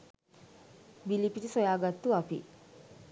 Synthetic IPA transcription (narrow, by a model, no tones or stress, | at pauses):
bilipiʈisojaːɡat̪ːuapḭ